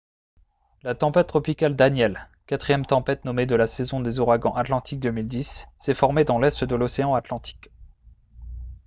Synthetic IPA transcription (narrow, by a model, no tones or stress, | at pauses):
lat̪ɑ̃pɛt̪t̪ːχɔpikald̪anjɛl | kat̪χijɛmt̪ɑ̃pɛt̪nɔmed̪əlasɛzɔ̃d̪ezuʁaɡɑ̃ʔat̪lɑ̃t̪ʰik̚d̪əmild̪isːɛfɔʁmed̪ɑ̃lɛst̪d̪əlɔseɑ̃at̪lɑ̃t̪ʰi̥k